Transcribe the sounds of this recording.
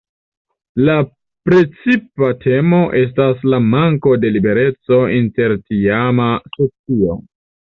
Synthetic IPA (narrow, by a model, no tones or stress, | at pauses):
la | pɾe̞t͡sipatʰe̞mo̞ʔe̞s̬taslamaŋko̞de̞libe̞ɾe̞t͡so̞inte̞ɾtiamasot͡sio̞̰